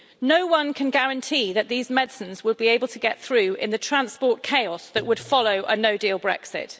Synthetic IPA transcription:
nəʊwʌ̃nkʰə̃nɡaɹə̃ntʰiːðəʔðiːzmɛdsə̃nzwəd̚bieɪbəlˠtʰəɡɛt̪θɹʉːɪ̰̃nðətʰɹ̥ãnspɔˑʔkʰeɪɒsðəʔwəd̥fɒləʊʔənəʊdiːlˠbɹɛ̰ksɪ̰t

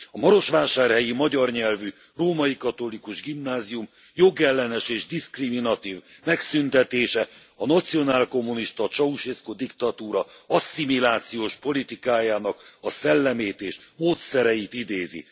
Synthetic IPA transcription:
ɒmɒɾo̞ʃʋaːʃaːrhɛjimɒɟɒrɲɛlvy | roːmɒjikɒt̪o̞likuʒɡimnaːzijum | jo̞ɡɛlːɛnɛʃeːʒd̪iskriminɒt̪iːvmɛksynt̪ɛt̪eːʃɛ | ɒnɒt̪sijo̞naːlko̞mːuniʃt̪ɒt͡ʃɒuʃeskod̪ikt̪ɒt̪uːɾɒɒsːimilaːt̪sijoːʃpo̞lit̪ikaːjaːnɒkɒsɛlːɛmeːt̪eːʃmoːt̪sɛɾɛjit̪id̪eːzḭ

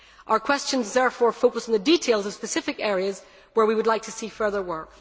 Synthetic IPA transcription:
ʔaʊə˞kʰw̥ɛst͡ʃə̃nzðɛɹfɔːɹfoʊkəsn̩ðəditʰelˠzəv̥spəsɪfɪkɛɹiəz | wə˞wiwədˡlˠaɪk̚tʰəsiːfɜ˞ðə˞wɜ˞k

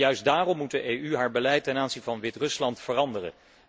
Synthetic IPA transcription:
jœɥsdaːrɔmːut̚dəʔejyɦaːɹbəlɛjtːɛnaːnzinvɑnʋɪtrɵslɑntfərɑndərə̰

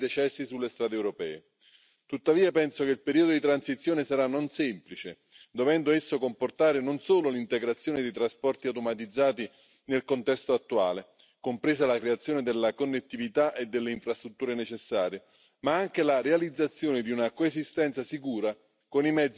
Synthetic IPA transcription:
d̪et͡ʃɛsːisulːest̪ɾaːd̪eɛwɾopɛ̰ːe | t̪ut̪ːaviːapɛnsokeilpeɾiːod̪od̪it̪ɾansit̪sːjoːnesaɾanːonsɛmplit͡ʃe | d̪ovɛnd̪oesːokomport̪aːɾenonsoːlolint̪eɡɾat̪sːjoːned̪ejt̪ɾaspɔrt̪iawt̪omat̪̬id̪zːaːt̪i | nelkont̪ɛst̪oat̪ːua̰ːle | kompɾeːzalakɾeat̪sːjoːned̪elːakonːet̪ːivit̪aʔed̪ːelːeiɱfɾast̪ɾut̪ːuːɾenet͡ʃesːaːɾje | maaŋk̟elarealid̪zːat̪sːjoːned̪iunakoezist̪ɛnt̪sasikuːɾa | konimɛd̪z

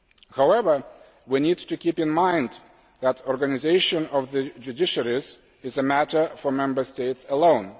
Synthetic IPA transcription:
haʊɛvə˞ | winidtɨkipɨ̃nmãɪ̃nd̪ | ðætʰɔɹɡanɪzeɪʃə̃nɔvðɨd͡ʒudɪʃəɹiz | ɪzəmætə˞fə˞mɛ̃mbə˞steɪtsəlõʊ̃n

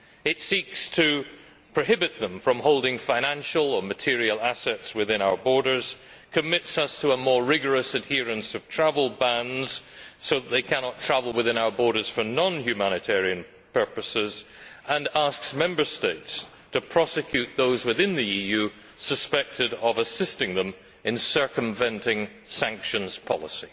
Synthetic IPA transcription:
ɪtsikstʰɨ | pʰɹ̥oɦɪbɨt̪̚ðə̃ɱfɹʌ̃mhoʊlˠdɪ̃ŋfãɪ̃ñæ̃nʃl̩ˠə˞mɨtʰɪɹil̩ˠasɛtswɨðɪ̃ñaʊə˞bɔɹɾə˞z̥ | kʰɨmɪtsʌstʰəəmɔɹɹɪɡə˞əsɨd̚hiɹɨ̃nsʌv̥tʰɹ̥avl̩ˠbæ̃ndz̥soʊðət̪̚ðeɪkʰænɑtʰɹ̥avl̩ˠwɨðɪ̃ñaʊə˞bɔɹɾə˞z̥fə˞nɔ̃nhjʉmæñɨtʰɛɹiɨ̃n | pʰɜ˞pɨsɪz | ə̃nasksmɛ̃mbə˞steɪts | tʰɨpʰɹ̥ɔsɨkʰj̥ʉt̪̚ðoʊzwɨðɪ̃nðiijʉ | səspɛk̚tʰɨɾəvəsɪstɪ̃ŋðə̃m | ɨ̃nsɜ˞kə̃ɱvɛ̃ntɪ̃ŋ | sæ̃ŋkʃə̃nz̥pʰɑ̰lˠəsi

